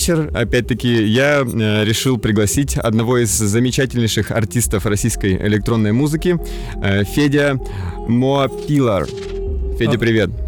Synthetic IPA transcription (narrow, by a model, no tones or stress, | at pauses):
t͡ɕɪrɐ̰pʲæt̚ʲt̪əkʲɪjaɾʲɪʂɨlˠpɾʲɪɡlˠɐsʲitʲɐ̰d̪nɐvo̞izːəmʲɪt͡ɕætʲɪlʲnʲɪjʂɨxɐ̰rtʲist̪əfrɐsʲijskəjɪ̰lʲɪkt̪ɾo̞nːəjmuzɨkʲɪ | fʲedʲə | mopʲilˠə̰r | fʲedʲəpɾʲɪvʲe̞t̪̚